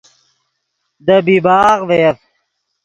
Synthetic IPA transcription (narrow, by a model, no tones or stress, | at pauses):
d̪əbibaːɣʋef